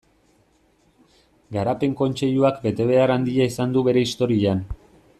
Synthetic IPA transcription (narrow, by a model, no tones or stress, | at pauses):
ɡaɾape̞ŋko̞nt͡ʃe̞ʎuakbe̞t̪e̞β̞e̞aɾand̪iaisand̪uβe̞ɾe̞ist̪o̞ɾian